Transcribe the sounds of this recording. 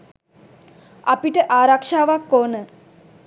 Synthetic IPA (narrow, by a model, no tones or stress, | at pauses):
apiʈəʔaːɾakʂaːʋakːoːnə